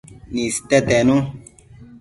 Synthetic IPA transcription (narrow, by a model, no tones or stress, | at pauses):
nĩsi̥t̪ɛt̪ɛnũ